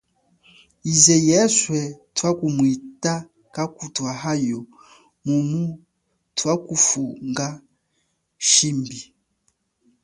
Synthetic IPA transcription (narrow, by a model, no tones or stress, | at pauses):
izɛjɛswɛtwakumwita | kakutwaɦajɔ | mumu | twakufuŋɡa | ʃimbi